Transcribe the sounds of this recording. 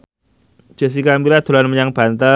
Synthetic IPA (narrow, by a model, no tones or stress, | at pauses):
d͡ʒ̥ə̤s̬ikambilad̪̥o̤lanməɲaŋb̥a̤nt̪ə